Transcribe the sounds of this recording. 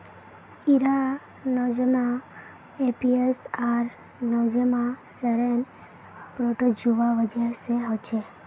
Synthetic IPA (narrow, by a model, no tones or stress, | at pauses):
iɾa | nɔd͡ʒəmã | epiesaɾ | nɔd͡ʒəmãsəɾen | pɾoʈod͡ʒuʋaʋəd͡ʒeseɦɔt͡ʃʰe